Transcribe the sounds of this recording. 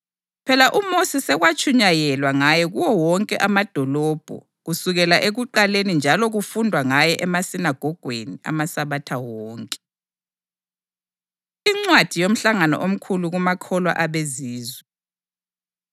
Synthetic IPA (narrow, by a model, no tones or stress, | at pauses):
pʰɛlaʔumosisɛɣwat͡ʃʼʰuɲajɛlwaŋajɛɣuwɔwɔŋkʼɛʔamad̥ʱɔlɔb̥ʱɔ̰ | ɣusuɣɛlaʔeɣuǃalenind͡ʒʱalɔɣufundʱwaŋajɛʔɛmasinaɡ̥ʱɔɡ̥ʱwenia̰masaβatʰawɔːŋkʼɛ̥ | iŋ͡ǀwad̥ʱijom̩ɬaŋanɔ̰ʔom̩kʰuluɣumakʰɔlwa̰ʔaβeziːzwɛ